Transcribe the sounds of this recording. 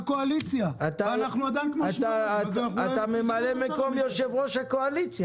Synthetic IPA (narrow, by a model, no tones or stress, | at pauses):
koalit͡sjaat̪anaχnuad̪amkmat̪aat̪amemalemeko̞mjoʃevʁo̞ʃhakoalit͡sja